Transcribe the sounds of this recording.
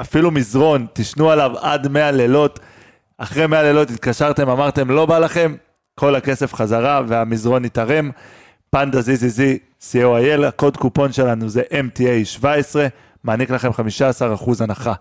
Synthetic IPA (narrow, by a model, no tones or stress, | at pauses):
afilumizʁo̞nt̪iʃnualava̰dme̞alelo̞t | aχʁejme̞ale̞lo̞t̪it̪̚kaʃaʁt̪e̞mamaʁt̪e̞mlo̞balaχe̞m | kʰo̞lake̞se̞fχazaʁave̞amizʁo̞nit̪aʁe̞m | pand̪azizizi | sioaje̞lako̞dkupo̞nʃe̞lanuze̞ʔe̞mtiejʃvae̞sʁe̞ | maːniklaχe̞mχamiʃaːsaʁaχuzanaχa